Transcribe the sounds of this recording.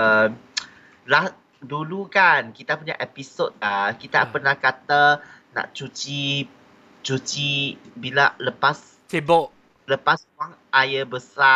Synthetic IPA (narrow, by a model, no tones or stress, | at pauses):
əm | lah | dulukankit̪apuɲa̰ʔɛpisot̪̚lakit̪a̰pərnahkat̪ana̰ʔt͡ʃut͡ʃi | t͡ʃut͡ʃibilaləpas | tebɔʔ | ləpas | aŋ | ʔajabəsa